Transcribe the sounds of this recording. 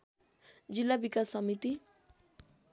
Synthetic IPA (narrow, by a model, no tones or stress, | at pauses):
d͡zilːabikasːʌmit̪i